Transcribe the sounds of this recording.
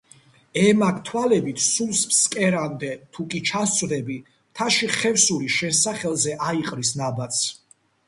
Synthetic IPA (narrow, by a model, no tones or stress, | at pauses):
ɛmakʰt̪ʰwalɛbit̪ʰsulˠspskʼɛɾamd̪ɛt̪ʰukʼit͡ʃʰast̪ʼvd̪ɛbi | t̪ʰaʃiχɛvsuliʃɛnsaχɛlˠzɛʔaiqʼɾisnabat̪sʰ